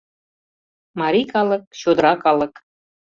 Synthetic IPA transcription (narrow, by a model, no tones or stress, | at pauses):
mɑɾʲikɑlə̆k̚ɕod̪əɾɑkɑlə̆k